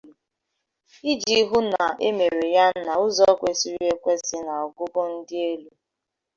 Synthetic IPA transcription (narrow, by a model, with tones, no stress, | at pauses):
i˦d͡ʒi˦ɦʊ˦na˨e˦me˨ɾe˨ja˦n̩˦na˨ʊ˦zɔ˦kʷe˨si˦ɾi˦e˦kʷe˦sɪ˦na˨ɔ˨ɡʊ˦ɡʊ˦n̩˦dɪ˦e˦lu˦